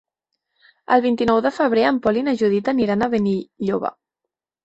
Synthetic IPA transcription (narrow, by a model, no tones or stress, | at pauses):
ə̰lˠβint̪inɔwðəfəβ̞ɾeəmpɔlinəʒuð̞it̪əniɾanəβəniʎoβə̰